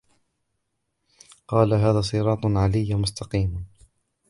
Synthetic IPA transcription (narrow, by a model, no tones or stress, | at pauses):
qɑːlaɦaːðaːsˤɨɾˤɑːt̪ˤʕalɪjːmʊst̪ɑqiːm